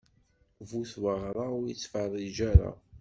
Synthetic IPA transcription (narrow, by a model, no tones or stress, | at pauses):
vuθwəʁɾˤaʊɾjit͡sːfərˤːid͡ʒaɾa̰